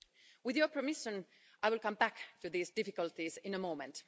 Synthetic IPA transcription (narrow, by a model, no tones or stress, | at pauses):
wɪðjə˞pʰɹəmɪʃə̃n | ʔaɪwɪlˠkʌ̃mbæktɨðiːsdɪfɪkəlˠtizɪ̃nəmoʊmɛ̰̃nt